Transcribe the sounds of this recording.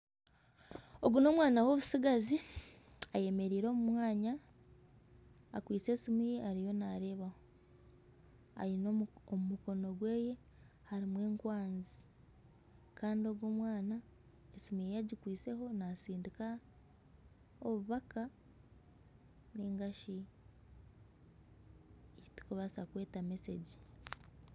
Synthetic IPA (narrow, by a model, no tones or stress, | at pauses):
o̞ɡuno̞ːmwaːnawo̞βusiɡazi | aje̞me̞ɾiːɾo̞ːmumwaːɲa | kwiːt͡se̞ːsimijeʔaɾijo̞naɾe̞ːβaho | a̰jinoomumuko̞no̞ɡwe̞ːje̞ | haɾimwe̞ːŋkwaːnzi | kʰaːndio̞ɡwo̞ːmwaːna | esimijejaɟikwiːse̞ɦo̞nasiːndika | oβuβaka | niːŋɡaʃi | ei̥tu̥koβasakwe̞ːtame̞seɟi̥